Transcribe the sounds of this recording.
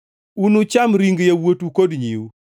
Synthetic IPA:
unut͡ʃamɾiŋɡjawotukodɲiwu

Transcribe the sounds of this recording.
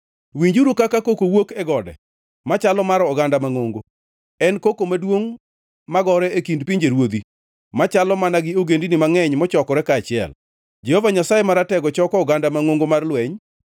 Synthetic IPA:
wiɲd͡ʒuɾukakakokowokɛɡɔdɛ̰ | mat͡ʃalɔmaɾɔːɡandamaŋoŋɡo | ɛnkokomadwoŋ | maɡɔɾɛekindpiɲd͡ʒeɾwod̪i | mat͡ʃalɔmanaɡɪoɡendinɪmaŋɛɲmɔt͡ʃɔkɔɾɛkaːt͡ʃɪɛ̰l | d͡ʒɛhovaɲasajemaɾatɛɡɔt͡ʃɔkɔɔɡandamaŋoŋɡomarlwɛɲ

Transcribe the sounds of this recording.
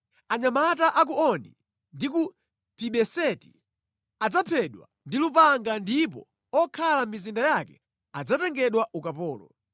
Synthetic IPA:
aɲamataʔak̬uɔnḭ | ndiku | piɓɛsɛti̥ | ad͡zapʰɛɗwa̰ndilupaŋɡandip̬ɔ̰ | ɔkʰalamizindajakɛ | ad͡zatɛŋɡɛɗwaʔukapɔːlɔ̰

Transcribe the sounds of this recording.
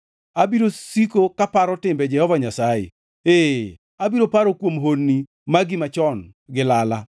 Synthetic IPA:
abiɾosikokapaɾɔtɪmbɛd͡ʒɛhɔvaɲasajḛ | e | abiɾopaɾɔkwomɦonːi | maɡɪmat͡ʃɔnɡɪlala

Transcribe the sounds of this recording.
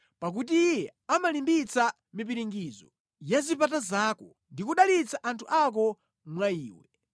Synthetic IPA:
pak̬ut̬iːjɛamalimbit͡sa | mip̬iɾiŋɡiːzɔ | jazipatazaːkɔ | ndikuɗalit͡saʔantʰuʔak̬ɔ | mwaiːwɛ

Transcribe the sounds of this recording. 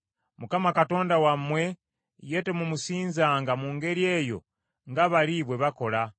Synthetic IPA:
mukamakato̞ːndawamːwe̞ | je̞temumusiːnzaŋɡamuːŋɡe̞ɾje̞jo̞̰ | ŋɡaβaliβwe̞βako̞la

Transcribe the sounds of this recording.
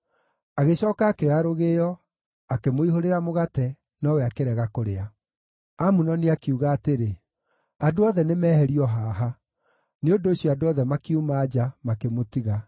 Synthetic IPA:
aɣeɕɔːkaːkeɣaɾoɣeːjɔ | akemoiɦoɾeɾamoɣatɛ | nɔwɛakeɾɛɣakoɾea | amunɔneakiuɣaːteɾe | adoɔðɛnemɛːhɛɾiɔɦaːɦa | neondoːɕjɔadoɔðɛmakiumaːd͡ʑamakemotiɣa

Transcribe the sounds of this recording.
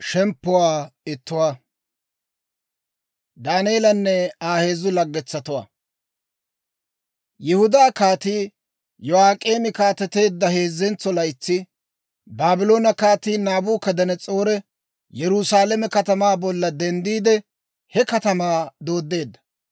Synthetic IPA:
ʃɛmpːʊwaːɪt̪ːʊwaː | d̪aːneːlɐnːɛaːhe̞ːzʊlɐɡːɛt͡sːɐt̪ʊwa̰ː | jɛhʊd̪aːkaːt̪iː | jɔaːkʼeːmɪkaːt̪ːɛt̪e̞ːd̪ːɐhe̞ːzːɛnt͡sːɔlɐjɪt͡sːɪ | baːbɪlo̞ːnɐkaːt̪iːnaːbuːkɐd̪ɐnɛt͡sʼo̞ːɾɛ | jɛɾʊsaːlɛmɛkɐt̪ɐmaːbɔlːɐd̪ɛnd̪iːd̪ɛ | hɛkɐt̪ɐmaːd̪o̞ːd̪ːe̞ːd̪ːɐ̥

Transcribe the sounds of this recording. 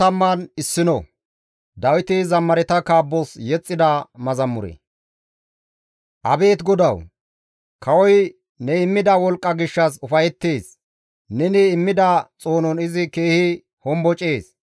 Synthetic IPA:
ɐmːɐnɪsːɪnɔ̰ | d̪ɐwɪt̪ɪzɐmːɐɾɛt̪ɐkaːbːɔsjɛt͡sʼːɪd̪ɐmɐzɐmːʊɾḛ | ʔɐbe̞ːt̪ɡɔd̪ɐw | kʰɐwɔj | nɛɪmːɪd̪ɐwɔlkʼːɐɡɪʃːɐs̬ʊfɐjɛt̪ːeːs | nɛnɪːmːɪd̪ɐt͡sʼo̞ːnɔnɪzɪke̞ːhɪ | hɔmbɔt͡ʃʼe̞ːs

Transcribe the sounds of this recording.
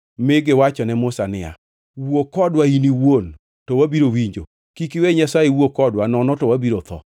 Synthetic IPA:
mɪɡɪwat͡ʃɔnɛmʊsanɪa̰ | wuokɔdwainiwon | towabiɾowiɲd͡ʒo̰ | kikiweɲasaewokɔdwanɔnɔtɔwabiɾot̪ʰɔ̰

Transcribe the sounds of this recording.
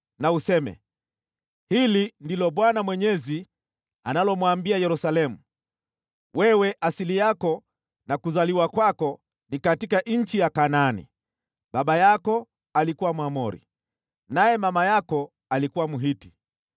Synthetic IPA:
nausɛmɛ̰ | hilindilɔɓwanamwɛɲɛzi | analɔmwambiajɛɾusalɛmu | wʔɛwɛʔasilijakɔ | nakuzaliwakwakɔ | nikatikaʔɲ̩t͡ʃijakananḭ | ɓaɓajakɔ | alikuwamwamɔɾḭ | najɛmamajakɔ | alikuwamuɦiti̥

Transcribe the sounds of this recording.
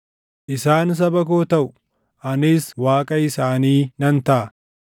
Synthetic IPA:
ʔɪsaːns̬ɐbɐkoːt̪ɐʔʊ | ʔɐnɪswaːkʼɐɪsaːniːnɐnt̪ɐʔɐ

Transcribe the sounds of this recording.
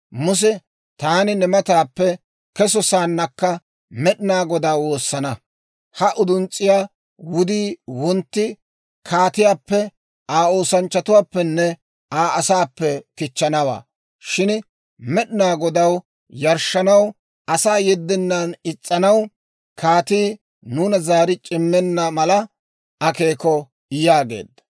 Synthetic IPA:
mʊs̬ɛ | t̪aːnɪnɛmɐt̪aːpːɛ | kɛs̬ɔsaːnːɐkːɐ | mɛɗɪnaːɡɔd̪ɐwoːsːɐnɐ | hɐʔʊd̪ʊnt͡sʼːɪjaː | wʊd̪iːwɔnt̪ːɪ | kʰaːt̪ɪjaːpːɛ | aːo̞ːsɐnt͡ʃːɐt̪ʊwaːpːɛnːɛ | aːʔɐsaːpːɛkɪt͡ʃːɐnɐwa̰ː | ʃɪn | mɛɗɪnaːɡɔd̪ɐw | jɐɾʃːɐnɐw | ɐsaːjɛd̪ːɪnːanɪt͡sʼːɐnɐw | kʰaːt̪iː | nuːnɐzaːɾɪt͡ʃʼɪmːɛnːɐmɐlɐ | ɐke̞ːkɔ | ɪjaːɡe̞̰ːd̪ːɐ̥

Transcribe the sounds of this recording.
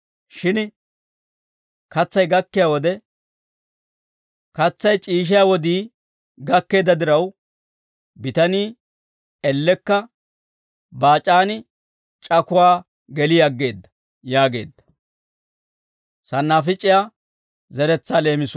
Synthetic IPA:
ʃɪn | kɐt͡sːɐjɡɐkːɪjawɔd̪ɛ | kɐt͡sːɐjt͡ʃʼiːʃ̬ɪjawɔd̪iː | ɡɐkːe̞ːd̪ɐd̪ɪɾɐw | bɪt̪ɐniː | ɛlːɛkːɐ | baːt͡ʃʼaːnɪ | t͡ʃʼɐkʊwaː | ɡɛlɪjɐɡːe̞ːd̪ːɐ̥ | jaːɡe̞̰ːd̪ːɐ̥ | sɐnːaːfɪt͡ʃʼɪjaː | zɛɾɛt͡sːaːle̞ːmɪs

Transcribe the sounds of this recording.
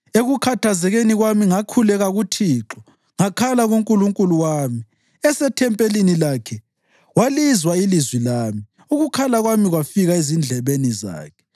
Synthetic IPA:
eɣukʰatʰazɛɣeniɣwamiŋakʰulɛɣaɣutʰiːǁɔ | ŋakʰalaɣuŋkʼuluŋkʼuluwaːmi | ɛsɛtʰɛmpʼelinilaːkʰɛ | walizwailizwilaːmi | uɣukʰalaɣwamiɣwafiɣaezind͡ɮʱɛβeniza̰ːkʰɛ̥

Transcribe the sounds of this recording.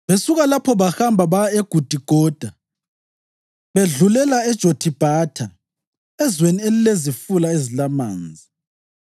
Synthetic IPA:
βesuɣalapʰɔβaxambʱaβaeɡ̥ʱud̥ʱiɡ̥ʱɔːd̥ʱa | βeɮulɛlaɛd̥ʒ̥ʱotʰib̥ʱaːtʰa | ɛzwenielilezifulaezilama̰ːnd͡zʱi

